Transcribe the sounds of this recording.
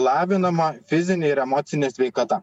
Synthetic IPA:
lˠɑːʋʲɪnɐmɐfʲɪzʲɪnʲɛɪɾɛmɔːt̪sʲɪnʲɛsʲʋʲɛɪkɐt̪ɐ

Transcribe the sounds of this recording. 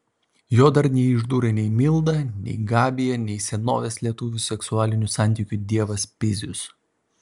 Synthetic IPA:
joːd̪ɐɾnʲɛɪɪʒd̪uːɾʲɐnʲɛɪmʲɪlˠd̪ɐnʲɛ̰ɪɡɑːbʲɪjɛnʲɛɪsʲɛno̰ːʋʲeslʲiɛt̪ʊʋʲʊsʲɛksʊɑːlʲɪnʲʊsɑˑnʲt̪ʲiːkʲʊd̪ʲiɛʋɐspʲɪzʲʊs

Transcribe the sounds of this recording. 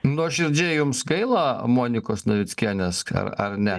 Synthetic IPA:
nuɔʃʲɪɾʲd͡ʒʲeɛjʊmsɡɐɪlˠɐmoːnʲɪkoːsnɐʋʲɪt͡s̪ʲkʲiɛnʲɛsɐ̰ɾɐ̰ɾnʲɛ

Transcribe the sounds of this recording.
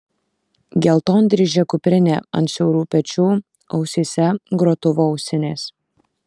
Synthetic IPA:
ɡʲɛlˠt̪oːnʲd̪ʲɾʲɪʒʲɛkʊpʲɾʲɪnʲḛːɐ̰nʲt̪ʃʲɛʊɾuːpʲɛt͡ʃʲuː | ɐʊsʲiːsʲɛɡɾot̪ʊʋoːɔʊsʲɪnʲeːs

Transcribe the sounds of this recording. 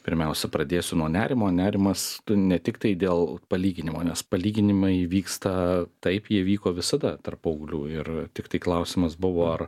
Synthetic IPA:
pʲɪɾʲmʲɛʊsʲɛpɾɐd̪ʲeːsʲʊnuɔnʲæːɾʲɪmoːnʲæːɾʲɪmɐst̪ʊnʲɛt̪ʲɪkt̪ɐɪd̪ʲeːlˠpɐlʲiːɡʲɪnʲɪmoːnʲɛspɐlʲiːɡʲɪnʲɪmɐɪʋʲiːkst̪ɐt̪ɐɪpjiɛʋʲiːkoːʋʲɪsɐd̪ɐt̪ɐrpɐʊɡlʲuːɪrt̪ʲɪkt̪ɐɪklˠɐʊsʲɪmɐsbʊʋoːɐr

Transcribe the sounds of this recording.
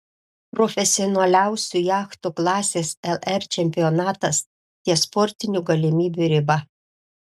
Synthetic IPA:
pɾɔfʲɛsʲɪɔnɐlʲæˑʊsʲuːˑjɑːxt̪uklˠɑːsʲeːsɛlˠɛɾt͡ʃʲɛmʲpʲɪjɔnɑːt̪ɐs | t̪ʲiɛspɔɾʲt̪ʲɪnʲuːɡɐlʲɪmʲiːbʲuɾʲɪbɐ

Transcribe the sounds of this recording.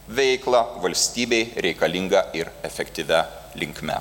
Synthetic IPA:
ʋʲɛɪklˠɐʋɐlʲsʲt̪ʲiːbʲɛɪɾʲɛɪkɐlʲɪŋɡɐɪɾɛfʲɛkt̪ʲɪʋʲɛ | lʲɪŋʲkmʲɛ̰

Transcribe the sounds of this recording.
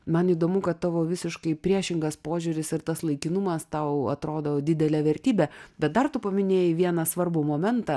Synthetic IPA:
mɐniːd̪oːmʊkɐt̪t̪ːɑːʋoːʋʲɪsʲɪʃkɐɪpʲɾʲiɛʃʲɪŋɡɐspoːʒʲʊɾʲɪsɪrt̪ɐslˠɐɪkʲɪnʊmɐst̪ɐʊɐ̰t̪ɾoːd̪oːd̪ʲɪd̪ʲɛlʲɛːʋʲɛɾʲt̪ʲiːbʲɛbʲɛt̪̚d̪ɐrt̪ʊpɐmʲɪnʲeːjɪʋʲiɛnɐsʋɐrbʊmoːmʲɛnt̪ɐ

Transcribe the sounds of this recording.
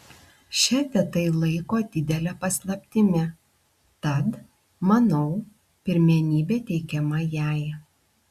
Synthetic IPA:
ʃʲɛt̪ʲɛt̪ɐɪlˠɐɪkoːd̪ʲɪd̪ʲɛlʲɛpɐslˠɐpʲt̪ʲɪmʲɛ | t̪ɐt̪ | mɐnɐʊ | pʲɪɾʲmʲɛnʲiːbʲeːt̪ʲɛɪkʲɛmɐjæˑɪ

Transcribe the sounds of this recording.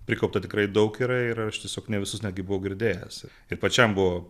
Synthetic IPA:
pʲɾʲɪkɐʊp̚t̪ɐt̪ʲɪkɾɐɪd̪ɐʊkiːɾɐɪɾɐʃt̪ʲiɛsʲoːknʲɛʋʲɪsʊsnʲæːd̪̚ʲɡʲɪbʊʋɐʊɡʲɪɾʲd̪ʲeːjɛ̰s | ɪɾpɐt͡ʃʲɛmbʊʋoː

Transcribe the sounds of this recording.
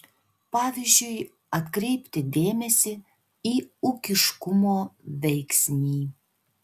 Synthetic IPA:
pɑːʋʲizʲd͡ʒøj | ɐt̪kɾʲɛɪpʲt̪ʲɪd̪ʲeːmʲɛsʲɪ | iukʲɪʃkumoʋʲɛjksʲnʲiː

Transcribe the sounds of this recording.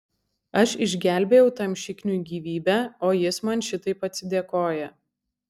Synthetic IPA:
ɐʃɪʒʲɡʲæˑlʲbʲeːjɛʊt̪ɐmʲʃʲɪkʲnʲuːɡʲiːʋʲiːbʲæːoːjɪsmɐnʃʲɪt̪ɐɪpɐt̪ʲsʲɪd̪ʲeɛkoːjɛ

